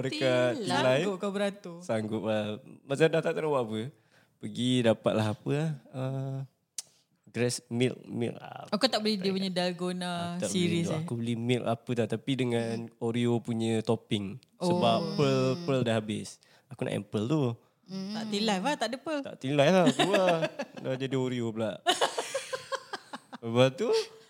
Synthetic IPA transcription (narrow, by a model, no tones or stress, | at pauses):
məɾekat̪ilajʊkabəɾant̪usaŋɡʊʔ̪amat͡ʃamdat̪at̪anawaʔapə | pəɡidapat̪̚laɦapəahə | ɡɾɛsmḭl̚mḭla̰akut̪aʔbəlɛdiəpuɲədalɡonat̪asiɾisakubəlimilapət̪at̪apidəŋanoɾiopuɲət̪opɪŋ | ʔosəbapəlpəldəɦabɪs | akuna̰ʔɛ̰pəlt̪u | t̪aʔt̪ilajpaht̪aʔdəpəlt̪a̰ʔt̪ilajlahkuadad͡ʒadioɾiobəlaʔ | səbap̚t̪u